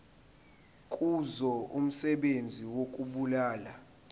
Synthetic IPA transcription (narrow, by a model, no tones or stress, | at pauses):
kʼuzɔum̩sɛɓend͡zʱiwokʼuɓulaːla